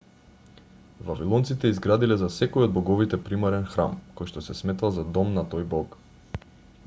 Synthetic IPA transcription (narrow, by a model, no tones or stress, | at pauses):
vavilˠɔnt̪sit̪ɛizɡɾad̪ilɛzasɛkojod̪̚bɔɡɔvit̪ɛpɾimaɾɛnxɾa̰mkojʃt̪ɔsɛsmɛt̪alˠzad̪ɔmnat̪ojbɔk